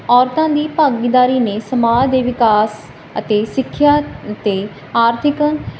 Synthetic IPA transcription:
ɔːɾt̪ãːd̪iːpaːɡid̪aːɾiːneːsəmaːd͡ʒd̪eːʋɪkaːs | ət̪eːsɪkʰːjaːt̪eː | aːɾt̪ʰɪkən

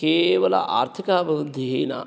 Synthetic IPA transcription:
keːʋɐlɐ̰ʔa̰ːɾt̪ʰikaːbɐɾud̪ʱːiɦeːna̰ː

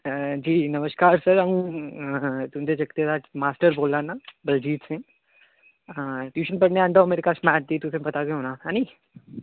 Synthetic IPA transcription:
d͡ʒiːnɐməʃkaːɾsɐɾɐɦũ | t̪ʊmd͡ʒ̪ed͡ʒɐkt̪et̪ʰamaːsʈəɾboːlːanabɐld͡ʒiːʈsẽ | t̪juːʃənpɐɽneaɐ̃ɳɖomeːɾɪkasmɛːʈ̚d̪it̪ʊsẽpɐt̪akeɦoːnaaːni

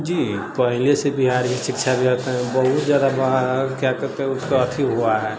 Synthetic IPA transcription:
d͡ʒiːpəɦɪlesebiɦaːɾd͡ʒisɪkt͡ʃʰabeɾət̪eɦɛ̃bəɦut̪d͡ʒad̪abkjakɛɾt̪eɦɛ̃ʊskoət̪ʰiɦoaɦɛ

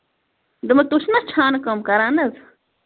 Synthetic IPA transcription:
d̪ɨmɐt̪uʃʰnɐt͡ʃʰaːnkɐmkɐɾaːnɐz

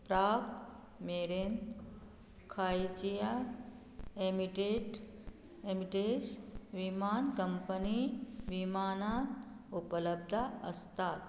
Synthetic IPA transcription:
pɾaːk | meːɾen | kʰaːjt͡ʃija | emiʈeʈ | emiʈesʋimaːnkəmpəniʋimaːnaːn | upələb̚d̪ʱaəst̪aːt̪

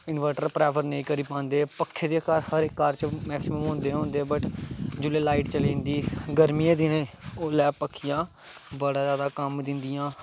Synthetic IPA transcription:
ɪnʋəɾʈəɾpɾɛːpʰəɾnəĩːkəɾiːpãːnd̪eːpəkʰːeːd̪eːkəɾhəɾɪkːəɾt͡ʃmɛːksɪməmɦõːnd̪eːɦõːnd̪eːbəʈd͡ʒʊleːlaːiʈt͡ʃəliːnd̪iːɡəɾmijãːd̪inẽːoːlɛːpəkʰːijãː | bəɽaːzjaːd̪aːkəmd̪ɪnd̪ɪjãː

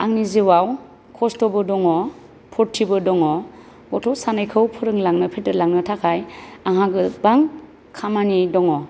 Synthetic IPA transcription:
aŋnizewaw | kʰɔstɔbɯdɔŋɔ | pʰɔɾtʰːibɯdɔŋɔ | bɔtʰɔwsanajkʰɯwpʰɯɾɯŋlaŋnɯpʰetɯɾlaŋnɯtʰakʰajaŋɦaɡɯbaŋ | kʰamanidɔŋɔ

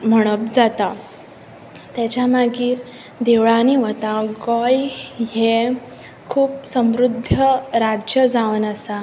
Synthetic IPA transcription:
m̤əɽ̃əp̚d͡zat̪a | t̪jat͡ɕjamaɡiːɾ | d̪eʋɭaniʋət̪aɡɔjɦe | kʰuːpsəmɾud̪ʱːəɾad͡ʑjəd͡zaʋənəsa

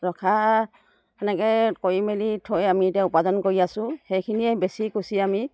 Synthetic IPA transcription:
ɹɔkʰa | ɛnɛkɛkojimelitʰojamietaupadɔnkoɹiasʊ̃hejkʰiniɛbesikusiami

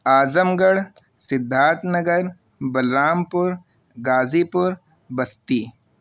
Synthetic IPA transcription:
aːzəmɡəɽ | sɪd̪ʱːaːt̪nɐɡəɾ | bɐlɾaːmpʊɾ | ɡaːzipʊɾ | bɐst̪iː

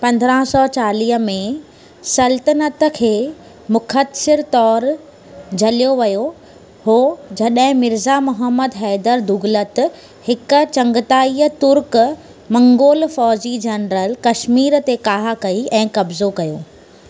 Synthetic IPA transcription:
pɐ̃nd̪ʱɾə̃ɦsɔːt͡ɕaːliːɦəmẽ | sɐlt̪ənət̪əkʰeː | mʊkʰət̪sɪɾt̪ɔːɾ | d͡ʑʱɐlijoʋɐjo | ɦoːd͡ʑɐɗɦɪ̃mɪɾzamʊɦəmːəd̪ɦɛːd̪əɾd̪ʊɡlət̪ | hɪkʊ̆t͡ɕɐ̃ŋɡɪt̪aːiːət̪ʊɾk | mɐ̃ŋɡoːlfɔːd͡ʑid͡ʑɐnɾəlkɐʃmiːɾt̪ekaːɦakɐiɛ̃ːkɐbzokɐjoː

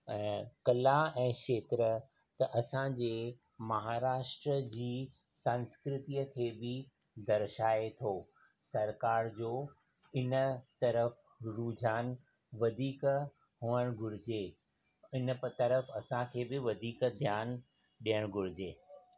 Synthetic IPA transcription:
ɛ̃ːkɐlaɛ̃ːʃeːt̪ɾə | t̪ɐʔɐsãd͡ʑeː | mɐɦaːɾaːʃʈɾəd͡ʑiː | sə̃nskɾɪt̪iəkʰeːbɪ | d̪ɐɾʃaːet̪ʰoː | sɐɾkaːɾd͡ʑoː | ɪnət̪ɐɾəf | ɾuːd͡ʑʱaːn | ʋɐd̪ʱiːk | ɦuːəɽ̃ɡʱʊɾɪd͡ʑeː | ɪnt̪ɐɾəfɐsãkʰeːbɪʋɐd̪ʱiːkd̪ʱjaːn | ɗiəɽ̃ɡʱʊɾɪd͡ʑeː

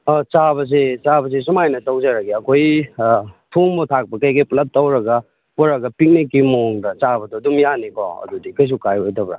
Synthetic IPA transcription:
ɔt͡ʃaβɐs̬et͡ʃabɐs̬es̬umajnɐsawd͡ʒɐɾɐɡiɐkʰoj | tʰumbotʰak̚pɐkɐjɡɐjplɐt̚ːawɾɐɡɐ | pɔɾɐɡɐpik̚nikːimoŋdɐt͡ʃabɐdɔdumjanikʰɔ̰ɐ̰dudikɐjs̬ukajojtɐbɾa̰

